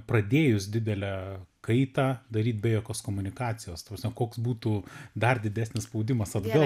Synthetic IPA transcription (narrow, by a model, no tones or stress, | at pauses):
pɾɐd̪ʲeːjʊsʲd̪ʲɪd̪ʲɛlʲækɐɪt̪ɑːd̪ɐɾʲiːt̪ʲbʲɛjoːkʲoːskoːmʊnʲɪkɑːt͡s̪ʲɪjoːst̪ɐprɐsmʲɛkoːksbuːt̪uːd̪ɐrd̪ʲɪd̪ʲæːsnʲɪsspɐʊd̪ʲɪmɐsɐd̪ɡɐ